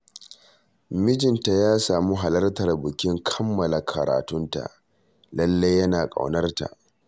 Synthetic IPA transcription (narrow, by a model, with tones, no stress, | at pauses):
mɪ˦d͡ʒɪ˨nta˨jaː˦saː˨mu˦ɦa˨lɐ˦rtɐ˨rbɪ˨kʲɪ˦ŋkʰɐ˦mːɐ˨la˨kʰɐ˨ɾa̰ː˨tʊ˦nta̰˨ʔ | lɐ˦lːa˦jːɐ˦naː˨kʼa̰˨wnɐ˦rta̰˨ʔ